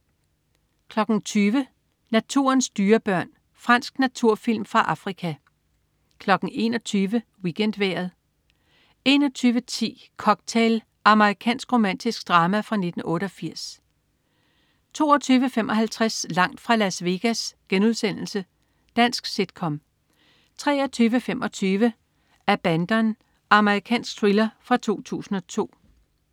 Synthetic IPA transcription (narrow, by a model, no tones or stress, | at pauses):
kʰlɒ̽ɡ̥n̩t͡sʰyːʋə | næt͡sʰu̝̰ɐnsd̥yːɐb̥ɶɐ̰n | fʁɑ̈n̰sɡ̥næt͡sʰuɐ̰fil̰mfʁɑ̈ʔɑ̈fʁikʰæ | kʰlɒ̽ɡ̥n̩e̝nɒt͡sʰyːʋə | wiɡ̥en̰d̥ʋeːɐð̞̩ˠ | e̝nɒ̽t͡sʰyːʋət͡sʰḭː | kʰɒ̽ɡ̥̚t͡sʰel | ʔɑ̈məʁikʰɛ̰ːnsɡ̥ʁo̝mæn̰d̥isɡ̥d̥ʁɑ̈ːmæfʁɑ̈ne̝d̥n̩ɔ̽ːɾ̥əɒfiɐ̰s | t͡sʰo̝̰ːɒt͡sʰyːʋəfem̰ʔɒ̽ɦælt͡sʰʁaslɑ̈ŋ̰d̥fʁɑ̈læsʋe̝ɡ̥æsɡ̥enuð̞ˠsen̰l̩sə | d̥æn̰sɡ̥sid̥kʰɒ̽m | t͡sʰʁɛːɐt͡sʰyːʋəfemɒ̽t͡sʰyːʋə | æɐb̥ænd̥ɐn | ɑ̈məʁikʰɛ̰ːnsɡ̥̚t͡sʰʁilɐfʁɑ̈t͡sʰo̝̰ːt͡sʰṵːsn̩ɒ̽t͡sʰo̝̰ː